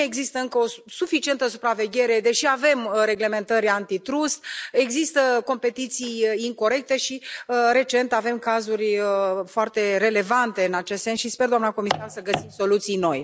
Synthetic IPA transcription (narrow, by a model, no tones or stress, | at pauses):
e̞ɡzist̪əɨŋkəo̞sufit͡ʃie̞nt̪əsupɾave̞ɡʲe̞ɾe̞d̪e̞ʃiave̞mɾe̞ɡle̞mẽ̞nt̪əɾʲant̪it̪ɾust̪e̞ɡzist̪əko̞mpe̞t̪it̪sijiŋko̞ɾe̞k̚t̪e̞ʃiɾe̞t͡ʃe̞nt̪ave̞mkazurʲəfoart̪e̞ɾe̞le̞vant̪e̞ɨnat͡ʃest̪se̞nsʃispe̞rd̪oamnako̞misarsəɡəsimso̞lut̪sijno̞j